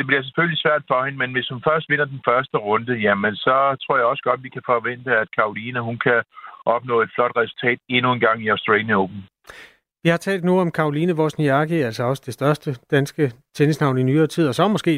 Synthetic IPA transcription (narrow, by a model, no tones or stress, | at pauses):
d̥e̝b̥liɐs̬e̥føllisʋæɐ̰d̥fɒ̽he̝nmenʋe̝shunfɶɐsd̥ʋe̝n̰ɐd̥enfɶɐsd̥əʁɔ̽nd̥əjæmensɒ̽t͡sʰʁo̝ɐ̰jɑ̈ɒ̽sə̥ɡ̥ɒ̽d̥ʋikʰæfɒʋen̰d̥əæd̥̚kʰɑ̈oliːnəɦunkʰæʔɒ̽b̥nɔ̰̽ːe̝d̥flɒ̽d̥ʁɛsu̥lt͡sʰɛ̰ːd̥e̝nuenɡ̥ɑ̈ŋ̰iɑʊsd̥ʁeljoʊb̥n̩ | ʋihɑ̈t͡sʰɛ̰ːld̥nuɒ̽mkʰɑ̈oliːnəʋɒːsniɑ̈ɡ̥iæl̰sɒɒ̽sə̥d̥e̝sd̥ɶɐsd̥əd̥ænsɡ̥ət͡sʰenəsnɑ̈ʊninyːɐːt͡sʰið̰ˠɒ̽sɒ̽mɔsɡ̥e̝̰ː